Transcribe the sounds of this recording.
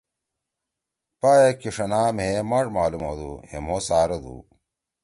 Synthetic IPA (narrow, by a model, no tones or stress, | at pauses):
paːjekiʂɐnaːmɦemaːʈmaːlumo̰ːd̪ṵhḛmoːsaːɾɐd̪ṵ